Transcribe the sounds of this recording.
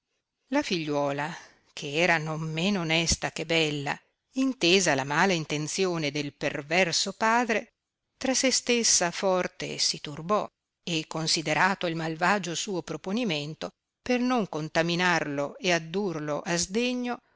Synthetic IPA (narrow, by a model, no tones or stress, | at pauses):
lafiʎːwɔːla | kʰeɛːɾanomːeːnoːnɛst̪akebɛlːa̰ | int̪eːzalamaːlaint̪ent̪sjoːned̪elpervɛrsopaːd̪ɾe | t̪ɾasest̪esːafɔrt̪ḛsit̪urbɔ | ekːonsid̪eɾaːt̪oilmalvaːd͡ʒosuːopɾoponiment̪o | pernoŋkont̪aminarloead̪ːurloʔazd̪eɲːo